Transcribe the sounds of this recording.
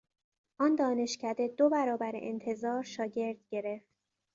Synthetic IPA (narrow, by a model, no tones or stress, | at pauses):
ʔɒːnd̪ɒːne̞ʃcʰæd̪e̞d̪obæɾɒːbæɾḛʔent̪ʰe̞zɒːɾʃɒːɟe̞ɾd̪̥ɟe̞ɾe̞ft̪